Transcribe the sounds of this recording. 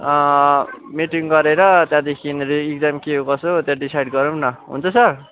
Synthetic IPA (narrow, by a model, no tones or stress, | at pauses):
ʌ | miʈiŋɡʌɾeɾʌt̪jãd̪ekʰiniik̚d͡zamkiɦokʌsot̪jãɖisajɖɡʌɾunʌɦṵnt͡sʰʌsʌr